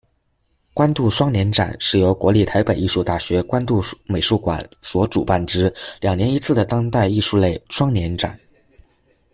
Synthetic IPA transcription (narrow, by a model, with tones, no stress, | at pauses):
kwa˥nt̪u˥˩ʂwɑ˥ŋnjɛ˧˥nʈ͡ʂa̰˨˩˦nʂɻ̩˥˩jo˧˥ʊkwɔ˧˥li˥˩t̪ʰa˧˥ɪpe˨˩ɪi˥˧ʂu˥˧t̪a˥˩ɕɥɛ˧˥kwa˥nt̪u˥˩me˨˩ɪʂu˥˩kwa̰˨˩nswɔ˧˥ʈ͡ʂu˨˩pa˥˩nʈ͡ʂɻ̩˥ljɑ˨˩ŋnjɛ˧˥ni˧˥t͡sʰɹ̩˥˩d̪ə˩t̪ɑ˥ŋt̪a˥˧ɪi˥˧ʂu˥˧le˥˩ɪʂwɑ˥ŋnjɛ˧˥nʈ͡ʂa̰˨˩˦n